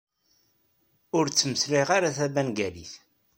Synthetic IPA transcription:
ʊɾt͡sːməsliʁaɾaθæbænɡæliθ

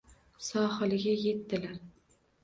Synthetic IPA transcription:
sɒhɨlɪɡʲaje̞t̪ːɪlaɾ

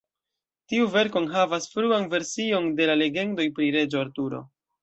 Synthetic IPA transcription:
tiuve̞ɾko̞nɦavasfɾuanve̞ɾsio̞nde̞lale̞ɡe̞ndo̞jpɾiɾe̞d͡ʒoaɾtuɾo̞̰

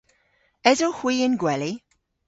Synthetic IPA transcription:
ɛzohwiːɪnɡwɛli

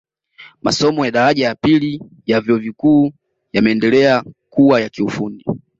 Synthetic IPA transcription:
ma̰sɔmɔjaɗaɾaʄajapili | javjɔɔvikuː | jamɛːndɛlɛakuwajakiufundi

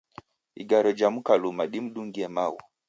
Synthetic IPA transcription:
ḭɡaɾɔd͡ʒamukalumaɗim̩ɗuŋɡiɛmawɔ

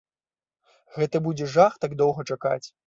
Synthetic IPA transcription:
ɣɛt̪ɐbud͡zʲɛʐaxt̪aɡ̚d̪ɔwɣɐt͡ʂaka̰t͡sʲ

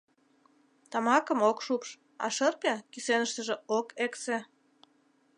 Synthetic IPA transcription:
t̪ɑmɑkəmokʃupʃ | ɑ̰ʃərpʲɑkisenəʃt̪əʒĕokekse

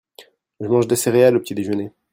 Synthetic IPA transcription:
ʒəmɑ̃ʒd̪eseʁealopət̪id̪eʒəne

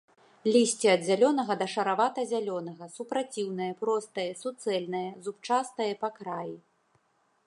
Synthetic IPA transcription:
lʲisʲt͡sʲiɐd̪zʲalʲɔnɐɣɐd̪ɐʂɐɾavat̪ɐzʲalʲɔnɐɣɐsupɾat͡sʲiwnɐjɐpɾɔst̪ɐjɐsut̪sɛlʲnɐjɐzupt͡ʂast̪ɐjɐpakɾaji

